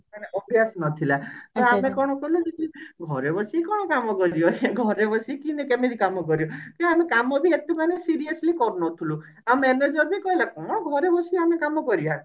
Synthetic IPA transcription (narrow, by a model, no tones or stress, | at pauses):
maneʔɔbijasnɔt̪ʰilat̪ɔamẽkɔɽ̃ɔkɔɦilud͡ʒekiɡʱɔɾebɔsikɔɽ̃ɔkamɔkɔɾijɔɡʱɔɾebɔsikinekemit̪ʰikamɔkɔɾijɔkiamekamɔbʱiet̪imanesiɾiəslikɔɾnɔt̪ʰulu | amɛned͡ʒɔbʱikɔɦilakɔɽ̃ɔɡʱɔɾebɔsiamekamɔkɔɾija